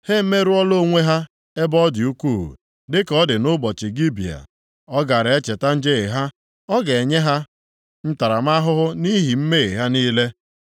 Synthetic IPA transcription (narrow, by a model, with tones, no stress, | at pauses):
he˦m̩˦me˦ɾu˦ɔ˦lo˦˨ŋʷe˦ɦa˦ | e˦bɔ˦dɪ˨u˦ku˦˨ṵ˨ | dɪ˦kɔ˦dɪ˨nʊ˦bɔ˨t͡ʃɪ˨ɡi˦bi˨a̰˨ | ɔ˦ɡa˨ɾe˦t͡ʃe˨ta˦n̩˦d͡ʒe˦˨ɦa˦ | ɔ˦ɡe˨ɲe˦ɦa˦ | n̩˦ta˨ɾa˨ma˦ɦʊ˦ɦʊ˦ni˦ɦi˨m̩˦me˦e˨ɦa˦niː˦le˦